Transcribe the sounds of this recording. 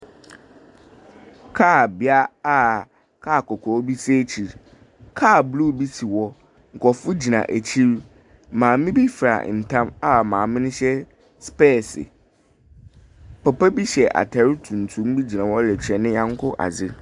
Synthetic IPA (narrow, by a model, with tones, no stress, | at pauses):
kʰaː˦˨bɪ˦a˦a˦˨ | kʰaː˦˨kʰɔ˨kʰɔ˨˦bi˦se˦t͡ɕʰi˨ɾ | kʰaː˦˨blu˦˨bi˦si˨wɔ˦ | ŋ̩˨kʰɔ˨fʊ˦d͡ʑi˨nã̰˨ʔæ˨t͡ɕʰi˦ɾ | mãː˨mɪ̃˦bi˦fɾa̰˨n̩˨tʰã˦ma˨mãː˨mɪ̃˦nʊ̃˦ɕɛ˦ | spɛː˦˨sɪ̰˨ | pʰɛ˨pɛ˦bi˦ɕɛ˨ʔa̰˨tʰɛ˨˦ɾi˦tʰũ˨n̩˨tʰũ˨˦m̩˦bi˦d͡ʑi˨nã˨wɔ˦lɛ˨t͡ɕʰᶣɛ˨nɪ̃˦jã˦ŋ˦kʰʊ˦ʔa̰˨zɪ˦